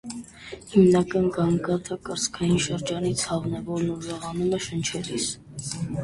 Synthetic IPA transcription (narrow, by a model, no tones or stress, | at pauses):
himnɑkɑnɡɑŋɡɑt̪ʰəkəɾzkʰɑjinʃəɾd͡ʒɑnit͡sʰhɑvnɛvɔɾnuʒɑʁɑnumɛʃənt͡ʃʰɛɾis